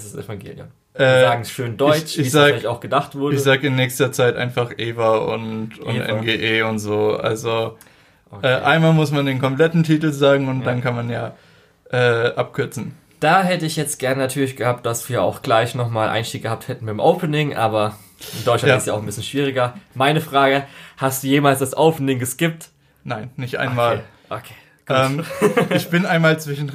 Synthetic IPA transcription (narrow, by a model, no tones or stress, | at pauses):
sɪsɛ̰faŋɡḛːljʊ̰m | ʔɛːzaːɡŋ̩sʃøːndɔʏt͡ʃɪiːzaːlɪçaʊxɡ̥ədaχtv̥ʊɐdçəz̥aːɡəɪnːɛːçstɐt͡saɪtʔa̰ɪnfaχʔeːvaʊ̰ntʊ̰ntʔɛ̰nɡeːʔeːʊntz̥oːʔa̰lzo | ʔʔokʔɛːʔa̰ɪnmaːlmʊsmandeːnkʰɔmplɛtn̩tʰiːtl̩zaːɡŋ̩ʊnt̚d̥ankʰanmanjaː | ʔɛːʔap̚kʰʏɐt͡sn̩ | d̥aːɦɛtəɪçjɛt͡st̚ɡ̥ɛɐnənatʰyːɐlɪçɡ̥əhaːp̚t̚d̥asv̥iːɐʔa̰ʊxɡ̥laɪçnɔχmaːlʔa̰ɪnʃtiːk̚ɡ̥əhaːp̚thɛtn̩baɪmʔoʊpʰənɪŋʔa̰ːbɐ | ʔɪndɔʏtt͡ʃlaatɪstsjaʊn̩bɪsçənʃv̥iːʁ̞ɪɡɐmaɪnəfʁ̥aːɡəhastd̥uːjeːmaːlsd̥asʔoʊpənɪŋɡəskɪp̚t | naɪnːɪçtʔa̰ɪmaːl | ʔokʰe̥ː | ɡ̥ʔuɛːmɪçb̥ɪnaɪnmaːlt͡sv̥ɪʃn̩